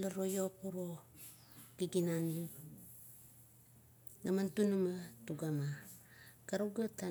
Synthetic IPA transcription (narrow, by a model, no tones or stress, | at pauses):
laɾojopuɾo | ɡ̥iɡinani | ɡamantunumatuɡama | kaɾuɡata